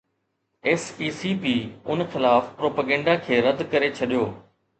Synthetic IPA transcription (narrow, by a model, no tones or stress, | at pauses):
ɛsiːsiːpiːʊnxɪlaːfpɾoːpaːɡɛ̃ːɳɖakʰeːɾɐd̪kɐɾet͡ɕʰɐɗijoː